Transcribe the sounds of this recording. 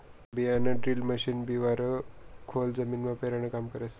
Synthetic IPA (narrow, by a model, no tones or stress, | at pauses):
bijanəɖɾiːlməɕinbiʋaɾəkʰold͡zəmiːnmapeɾaɽ̃əkamkəɾəs